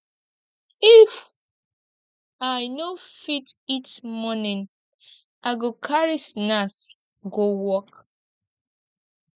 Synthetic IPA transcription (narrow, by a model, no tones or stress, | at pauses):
if | ajnofititmɔnĩn | ʔaɡokʰaɹisnas | ɡowɔk